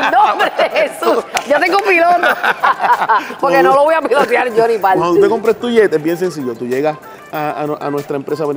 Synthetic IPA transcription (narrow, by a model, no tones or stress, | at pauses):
nõmbɾeehesusɟat̪eŋɡopilot̪o | poɾkenoloβojapilot̪jaɾd͡ʒonĩpalkanut̪ekompɾest̪uʝet̪ebjens̬ens̬iʝot̪uʝeɣas | aa̰na̰nwe̞st̪ɾaempɾe̞s̬aβen